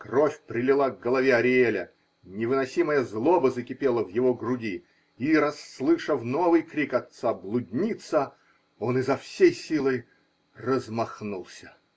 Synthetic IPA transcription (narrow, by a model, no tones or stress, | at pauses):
krofʲpɾʲɪlʲɪlˠaɡɡəlˠɐvʲeɐɾʲɪelʲə | nʲɪvɨnɐsʲiməjəzlˠobəzəkʲɪpʲelˠəvjɪvo̞ɡɾʊdʲi | iɾɐsːlˠɨʂəfnovɨjkɾʲikɐt̪sablˠʊdʲnʲit̪sə | onɨzɐfsʲejsʲilˠəj | rəzmɐxnulˠsʲə̥